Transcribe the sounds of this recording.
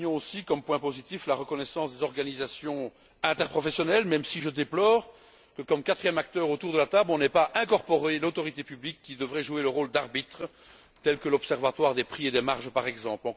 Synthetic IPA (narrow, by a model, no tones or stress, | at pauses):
ɔ̃osikɔmpwɛ̃pozit̪iflaʁəkɔnɛsɑ̃sd̪ezɔʁɡanizasjɔ̃ | ɛ̃t̪ɛʁpχɔfɛsjɔnɛlmɛmsiʒəd̪eplɔːʁ | kəkɔmkat̪χijɛmak̚t̪œːʁot̪uʁd̪əlat̪ablɔ̃nɛpaʔɛ̃kɔʁpɔʁelot̪ɔʁit̪epyblikːid̪əvʁɛʒueləʁoːld̪aʁbit̪χə | t̪ɛlkəlɔpsɛʁvat̪waʁd̪epχied̪ɛmaʁʒpaʁɛɡzɑ̃plɔ̃